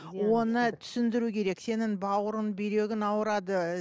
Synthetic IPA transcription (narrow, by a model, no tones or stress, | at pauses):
wo̞nət̪ʰʏ̥sɪnd̪ɪɾukʲʰe̞ɾe̞kse̞nɪŋbɑwəɾənbejɾe̞ɡʲɪnɑwəɾɑd̪ə